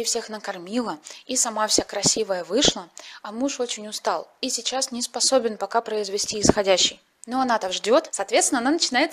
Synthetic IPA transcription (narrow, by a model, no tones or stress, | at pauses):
ɪfsʲe̞xnəkɐrmʲilˠəisɐmafsʲakɾɐsʲivəjəvɨʂlˠəɐmuʂo̞t͡ɕɪnʲʊst̪alˠisʲɪt͡ɕasnʲɪspɐso̞bʲɪnpɐkapɾəɪzvʲɪsʲtʲiɪsxɐdʲæɕːɪj | noɐnat̪akʐdʲo̞t̪sɐːt̪vʲeɪnɐnanət͡ɕɪnajɪt̪